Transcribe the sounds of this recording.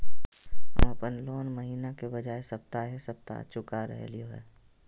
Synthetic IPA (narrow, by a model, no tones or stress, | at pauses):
ɦə̰mɐpənloːnməɦiːnakebəd͡ʒaːesɐp̚t̪aɦesɐp̚t̪a̰t͡ʃʊkaɾə̰ɦḛlioɦɛ̰ː